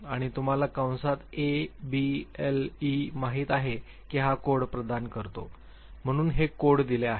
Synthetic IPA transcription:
aɽ̃it̪um̤alakaw̃sat̪ebielimaɦiːt̪aɦe | kiɦakoɽpɾəd̪ankəɾt̪o̰ | m̤əɽ̃uːnɦekoɽd̪ileaɦe

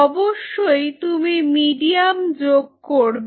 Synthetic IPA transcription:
ɔboʃːojt̪umimiɖiamd͡ʑoɡ̚koɾb

